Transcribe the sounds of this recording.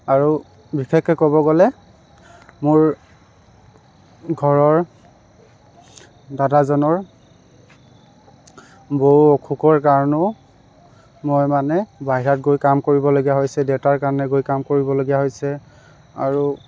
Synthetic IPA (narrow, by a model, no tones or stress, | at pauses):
aɹu | bikʰɛkɛkɔbɔɡɔlɛ | mʊɹ | ɡʱɔɹɔɹ | dadazɔnɔɹ | bouokʰukɔɹkaɹɔnɔ | mojmanɛbaɦiɹatɡojkamkoɹibɔloɡijaɦojsɛdewtaɹkaɹɔnɛɡojkamkoɹibɔloɡijaɦojsɛ | a̰ɹu